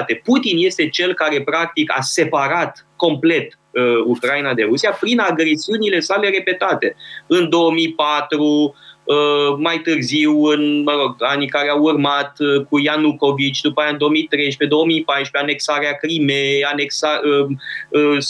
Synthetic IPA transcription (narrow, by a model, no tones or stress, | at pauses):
t̪e̞put̪inje̞st̪e̞t͡ʃe̞lkaɾe̞pɾak̚t̪ika̰se̞paɾat̪ko̞mple̞t̪ | əukɾainad̪e̞ɾusiapɾinaɡɾe̞siunile̞sale̞ɾe̞pe̞t̪at̪e̞ɨnd̪o̞omipat̪ɾuəmajt̪ɨrziwɨnməɾo̞ɡanikaɾeaurmat̪kujanuko̞vit͡ʃʲd̪upajaɨnd̪o̞omit̪ɾe̞jʃpe̞d̪o̞omipajʃpeane̞ksaɾeakɾimeane̞ksaəəs